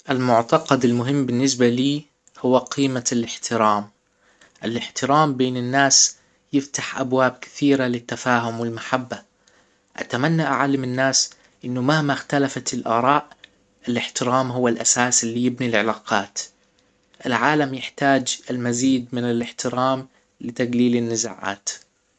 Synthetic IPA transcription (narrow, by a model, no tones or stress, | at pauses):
ʔɪlmʊʕt̪ɑqɑd̪ɪlmʊɦɪmːbɪnːɪs̬baliː | hʊwːaqʰiːmalɪħt̪ʰɪɾaːm | ʔɪlɪħt̪ɪɾaːmbeːnɪnːaːs | jɪft̪aħʔabwaːb̚kɪ̥θiːɾalɪt̪ːafaːɦʊmwɪlmaħabːa | ʔa̰t̪amanːaʔaʕalːamɪnːaːs | ʔɪnːʊmahmaxt̪alafat̪ɪlʔɑːɾˤɑːʔ | ɪlɪħt̪ɪɾaːmɦʊwːalʔasaːsɪlːiːjɪbnilʕɪlaːqɑːt̪ | ʔɪlʕaːlamjɪħt̪aːd͡ʒɪlmaziːd̪mɪnɪlɪħt̪ɪɾaːm | lɪt̪aɡliːlɪnːɪza̰ːʕa̰ːt̪